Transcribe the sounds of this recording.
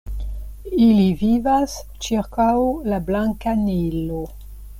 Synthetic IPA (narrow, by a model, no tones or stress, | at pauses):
ilivivas | t͡ʃiɾkawlablaŋkanilo